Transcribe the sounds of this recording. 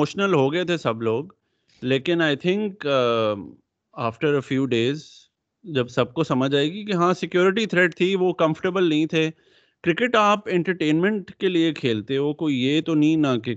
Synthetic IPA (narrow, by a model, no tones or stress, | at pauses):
oːʃnəlɦoɡɐet̪ʰesɐbloːɡ | leːkɪnaːɪt̪ʰɪ̃ŋk | aːfʈəɾəfjuːɖeːz | d͡ʒɐbsɐb̚kosɐməd͡ʒaːeːɡikeɦãːsɪkjoːɾɪʈ̬it̪ʰɾɛʈ̚t̪ʰiʋokɐ̃mfə̥ʈəɾbəlnɐɦĩt̪ʰe | kɾɪkɪʈaːpɛ̃ɳʈəɾʈẽːnmɛ̃ɳʈkeliekʰeːlt̪eɛokoːijet̪onɐɦĩnɐke